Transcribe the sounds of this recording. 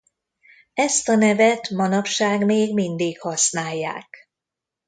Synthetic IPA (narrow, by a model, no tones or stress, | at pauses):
ɛst̪ɒnɛvɛt̪mɒnɒpʃaːɡmeːɡmind̪ikhɒsnaːjːa̰ːk